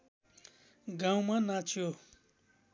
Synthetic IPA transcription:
ɡãw̃mãnãt͡ʃʰijo

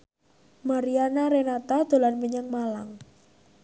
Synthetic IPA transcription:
maɾianaɾenat̪ad̪̥o̤lanməɲəŋmalaŋ

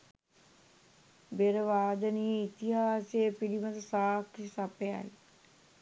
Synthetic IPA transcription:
beɾəʋaːd̪əniːit̪iɦaːsejəpilimət̪əsaːksapeja̰j

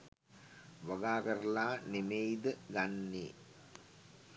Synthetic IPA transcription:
ʋaɡaːkəɾəlaːnemejd̪əɡanːeː

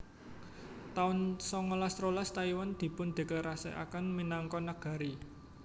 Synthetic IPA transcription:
t̪aʊnsɔŋɔlast̪ɾolast̪aiwand̪̥i̤pʊnd̪̥e̤kəɾasɛ̰ʔa̰kənminaŋkɔnaɡ̥a̤ɾi

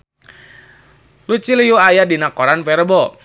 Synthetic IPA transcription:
lut͡ʃilijuajadinakɔɾanpɛɾəbɔ

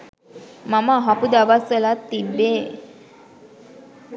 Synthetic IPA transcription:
mamaɦapud̪aʋasəlat̪ːibe

